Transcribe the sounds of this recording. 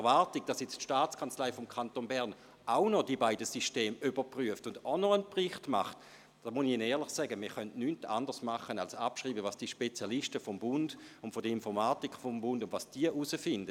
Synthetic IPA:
ɛʁvaʁtiɡ̥̚d̥ɑsjɛt͡stʃtaːt͡skʰant͡slaɪfɔmkʰantonbɛʁn | ʔaʊnɔdiəbaɪdəsiʃteːmybəpʁyəftʊndɔnɔənpʁɪχtma̰χt | d̥amuniɪnɛːɐʁlɪχsɛɡəmiɐχœntnynta̰ndəʁsmaχənalsapʃʁiːbəvasd̥iʃpet͡sjalɪʃtəfɔmbʊnd̥ʊntfɔdəinfɔʁmaːtikfombʊndʊndvasd̥iəʔusəfɪndə

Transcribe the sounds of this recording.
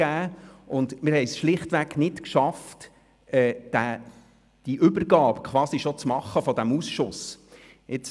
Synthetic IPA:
æːʊndmɪɾhɛɪsʃlɪχtʋæknɪtkʃɑft | ɛːd̥æ | d̥iʔʏbərɡɑːbkʰʋɑːsiʃɔt͡smɑχːəfɔdæmusʃʊs | ɪt͡s

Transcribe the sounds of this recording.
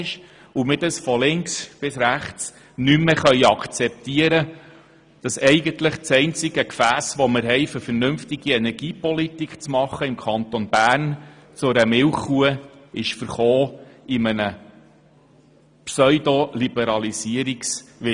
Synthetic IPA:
ʃ | umɪtəsfɔlɪŋksb̥ɪsɾæχt͡s | nymːeχœʏɑkʰt͡sɛp̚t̪iəɾə | d̥ɑsɛjɡənt̪ləχt͡sɛɪnt͡sɪɡəkfæːsʋɔməɾɦɛɪfʏɾfəɾnɵmft̪ɪɡ̥iɛnɛɾɡ̥iːpɔlit̪ikχt͡smɑχəɪmkʰɑnt̪ɔnb̥æːɾn | t͡sʊɾəmɪwχuəɪʃfəɾχoːimənə | psœʏd̪olibɛɾɑlisiəɾiksʋɪ

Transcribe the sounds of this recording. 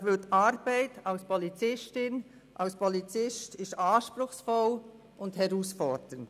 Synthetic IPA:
ʋɪtɑɾb̥æɪtɑʊspʰɔlit͡sɪstɪn | ʔɑʊspʰɔlit͡sɪstɪʃtɑːʃpɾʊxsfɔl | ʊnthɛɾuːsfɔd̥ənt

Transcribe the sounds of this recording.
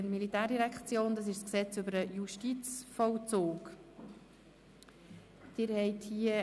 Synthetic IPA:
nmilitæːrdiɾɛkχt͡sjoːndɑsɪʃsksɛt͡sʏbəɾəjuʃtit͡sfɔwt͡soːk | d̥ɪːɾhɛɪthiə

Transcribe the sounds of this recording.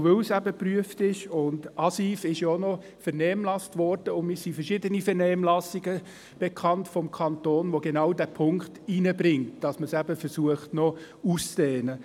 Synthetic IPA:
ʋøwsæbəpryəftɪʃʊndʔɑsiːfɪʃjonɔ | fɛɾnɛːmlɑstʋɔɾd̥əʊnmɪːɾsifɛɾʃɪdənifɛnɛːmlɑsiɡə | b̥ekʰɑntfɔmkʰɑntoːnʋoɡenɑwdæːpʰʊŋktiːnəbɾɪŋtd̥ɑsməsæbəfɛɾsuəχtnɔ | uːst͡sdɛːnə

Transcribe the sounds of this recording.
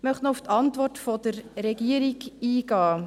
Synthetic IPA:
mœχtnɔʊft̪ʰɑntʋɔrtfɔd̥əɾːɛɡiəɾiɡiːɡɑː

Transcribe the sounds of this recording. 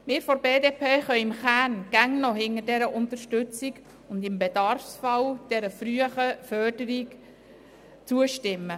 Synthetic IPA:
mɪːɾfɔɾbeːdeːpʰeːχœʏɪmχæːnɡ̥æŋnɔɦɪŋədɛɾəʔʊnt̪əʃtʏt͡siɡ | ʊndɪmbɛdɑɾfsfɑwd̥ɛɾəfɾyəχəfœrdəɾik | t͡suəʃtɪmːə

